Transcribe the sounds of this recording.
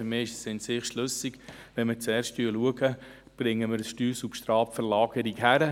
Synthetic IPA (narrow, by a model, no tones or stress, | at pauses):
mɪːɪʃəsɪnsɪχʃlɵsiɡ | ʋɛnmɪt͡sɛːɾsttyːəluəɡə | b̥ɾɪŋːəmɪɾəsʃtyːsupʃtɾɑːpfəɾlɑːɡ̥əɾikɦæɾə